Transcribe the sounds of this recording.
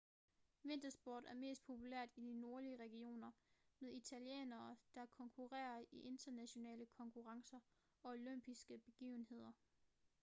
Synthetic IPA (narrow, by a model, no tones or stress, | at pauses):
ʋe̝n̰d̥ɐsb̥o̰ːd̥æɐme̝̰ːsd̥̚pʰo̝pʰulæɐ̰d̥id̥ino̝ɐliəʁɛɡ̥io̝̰ːnɐmeðˠit͡sʰæljḛːnɐːd̥ɑ̈æɐkʰɒ̽ŋkʰuʁɛ̰ːɐiʔe̝nd̥ɐnæɕo̝nɛ̰ːləkʰɒ̽ŋkʰuʁɑ̈ŋsɐ | ɒ̽oløm̰b̥isɡ̥əb̥e̝ɡ̥ḭːʊn̩he̝ð̞̰ˠɐ